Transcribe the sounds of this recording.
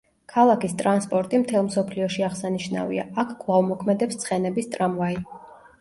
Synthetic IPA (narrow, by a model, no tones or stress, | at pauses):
kʰalˠakist̪ʼɾanspʼɔɾt̪ʼimt̪ʰɛlˠmsɔpʰliɔʃiaʁsaniʃna̰vḭaːkʰkvlˠavmɔkʰmɛd̪ɛpst̪sʰχɛnɛbist̪ʼɾamvai